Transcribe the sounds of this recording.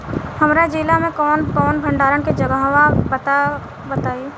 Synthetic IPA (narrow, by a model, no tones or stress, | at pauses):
hɐmɾad͡ʒilamẽkɔːnkɔːnbʱɐ̃ɳɖaːɾənked͡ʒɐɡawabət̪a | bət̪aːi